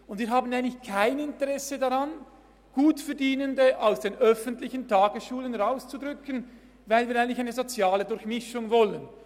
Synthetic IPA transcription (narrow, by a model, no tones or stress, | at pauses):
ʊndviːɐɦaːbən̩aɪɡənlɪçkʰaɪnɪntəʁɛsədaʁan | ɡ̥uːtfɛɐdiːnəndəʔaʊsd̥eːnʔœfəntlɪçəntʰaːɡəsʃuːlənʁaʊst͡sudʁʏkən | vaɪlviːɾaɪəntlɪçaɪnəzot͡sjaːlədʊɾçmɪʃʊŋvɔlən